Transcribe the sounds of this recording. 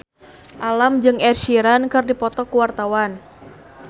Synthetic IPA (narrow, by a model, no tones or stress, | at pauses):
ʔalamd͡ʒɨŋɛrʃiɾankɨrdipɔt̪ɔkuwart̪awan